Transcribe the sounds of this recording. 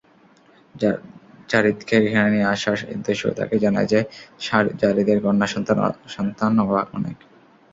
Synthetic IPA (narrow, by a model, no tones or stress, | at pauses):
t͡ɕaɾit̪kʰeɡʱɛnanieaʃaʃḛd̪eʃo̰t̪a̰ked͡ʑana̰ed͡ʑe | d͡ʑaɾid̪eɾɡɔnːaʃɔt̪aʃɔnt̪anoɦaʔɔnḛk